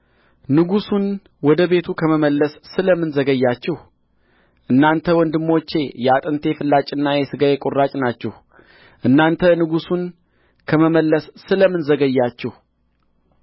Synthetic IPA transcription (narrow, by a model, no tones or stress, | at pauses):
nɨɡusun | wɔd̪əβe̞t̪ʰukʰəməməlːəsːɨləmːɨnzəɡəjːat͡ʃːɛh | ʔɨnːant̪ʰəwɔnd̪ɨmːo̞t͡ʃːe̞jɛat̪ʼɨnt̪ʰefɨlːat͡ʃʼɨnːajɛsɨɡajɛkʼurːat͡ʃʼnat͡ʃːɛh | ʔɨnːant̪ʰənɨɡusun | kʰəməməlːəsːɨləmːɨnzəɡəjːat͡ʃːɛh